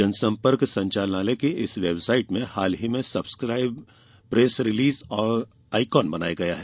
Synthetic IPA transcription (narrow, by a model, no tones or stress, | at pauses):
ɐnsɐ̃mpəɾksɐ̃ɲt͡ʃaːlnaːlekeɪsʋeːbsaːɪʈmẽhaːlɦimẽsɐbskɾaːɪb | pɾeːsɾɪliːzɔːɾ | aːɪkɔːnbɐna̰ːjaɡɐjaɦɛː